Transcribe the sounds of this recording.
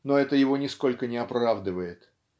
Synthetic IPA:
no̞ɛt̪əjɪvo̞nʲɪsko̞lʲkənʲɪɐpɾavd̪ɨvəjɪt̪

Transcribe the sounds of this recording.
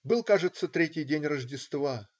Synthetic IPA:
bɨlˠkaʐɨt̪sːət̪ɾʲetʲɪjdʲenʲrəʐdʲɪst̪va

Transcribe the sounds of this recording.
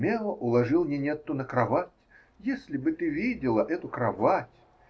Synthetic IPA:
mʲɛlˠəʔʊlˠɐʐɨlˠmnʲenʲet̪ːʊnəkɾɐvatʲ | jesʲlʲɪbɨt̪ɨvʲidʲɪlˠəʔɛt̪ʊkɾɐvatʲ

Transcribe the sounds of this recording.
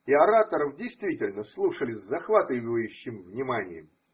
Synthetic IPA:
ɪɐɾat̪əɾəfdʲɪjst̪vʲitʲɪlʲnəslˠuʂəlʲɪsʲzɐxvat̪ɨvəjʉɕːɪmvnʲɪmanʲɪ̰jə̰m

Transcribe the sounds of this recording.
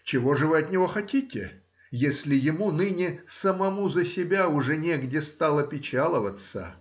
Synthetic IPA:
t͡ɕɪvo̞ʐɨvɨɐt̪nʲɪvo̞xɐtʲitʲɪ | jesʲlʲɪjɪmunɨnʲɪsəmɐmuzəsʲɪbʲaʊʐɛnʲeɡdʲɪst̪alˠəpʲɪt͡ɕalˠəvət̪sə̰

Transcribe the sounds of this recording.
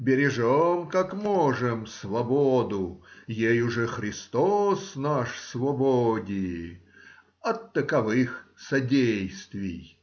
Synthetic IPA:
bʲɪɾʲɪʐomkakmɔʐɨmsvɐbod̪ʊjejʊʐɛxɾʲɪst̪osnaʂsvɐbodʲɪɪ | ɐt̪ːəkɐvɨxsɐdʲejst̪vʲɪ̰j

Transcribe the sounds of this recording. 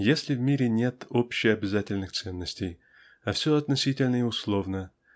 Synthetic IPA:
jesʲlʲɪvmʲiɾʲɪnʲe̞t̪opɕːɪjɐbʲɪzatʲɪlʲnɨxt̪sɛnːəsʲtʲej | afsʲoɐt̪nɐsʲitʲɪlʲnəiʊslˠo̞vnə

